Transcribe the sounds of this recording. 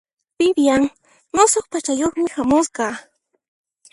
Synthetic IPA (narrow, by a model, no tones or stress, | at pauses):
pɪbjaŋ | nosoχpat͡ʃajoχmɪhamʊsqɑ